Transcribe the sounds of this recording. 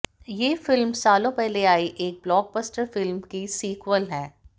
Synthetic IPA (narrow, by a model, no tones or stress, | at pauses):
jeːfɪlmsaːlõpɛɦleaːiʔeːk̚blɔːɡ̚bəsʈəɾfɪlmkisiːkwəlɦɛ̃ː